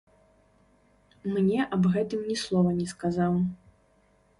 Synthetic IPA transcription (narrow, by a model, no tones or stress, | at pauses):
mnʲɛʔɐbɣɛt̪ɨmnʲɛslˠɔvɐnʲɛskazaw